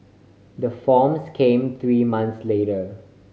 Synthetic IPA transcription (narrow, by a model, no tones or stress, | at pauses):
d̪əfɔːmskʰẽːmt̪ʰɹiːmãnt̪sleːɾə